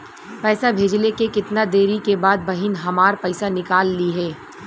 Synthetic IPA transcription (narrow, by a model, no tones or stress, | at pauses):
pɛːsabʱeːd͡ʒlekekɪt̪nad̪eːɾikebaːd̪̚bɐɦɪnɦɐmaːɾpɐɪsanɪkaːlːiɦɛː